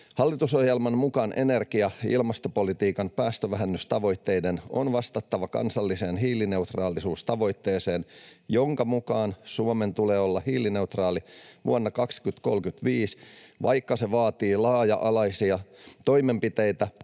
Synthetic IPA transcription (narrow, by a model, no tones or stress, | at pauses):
hɑlːit̪uso̞hjelmɑnmukɑnʔḛnerkiɑḭlmɑst̪opolit̪iːkɑnpæːst̪øʋæɦænːyst̪ɑʋo̞jt̪ːe̞jdeno̰nʋɑst̪ɑt̪ːɑʋɑkɑ̰nsɑlːise̞ːnɦiːline̞ut̪rɑːlisuːst̪ɑʋo̞jt̪ːeːseːnjoŋkɑmukɑːnsuome̞nt̪uleːolːɑhiːline̞ut̪rɑːliʋṵonːɑkɑkskyt̪ko̞lkyt̪ʋiːsʋɑ̰jkːɑseʋɑːt̪iːlɑːjɑʔɑlɑisiɑt̪o̞jmempit̪ejt̪æ